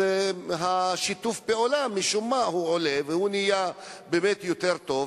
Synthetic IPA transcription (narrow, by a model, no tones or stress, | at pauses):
eɦaʃit̪ufbeolamːiʃumːahuʕolevehunijabeːmet̪jot̪eʁt̪o̞v